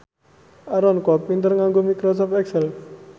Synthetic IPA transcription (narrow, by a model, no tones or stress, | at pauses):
aɾɔnkɔp̚mint̪əɾŋaŋɡomikɾɔsɔfɛksɛl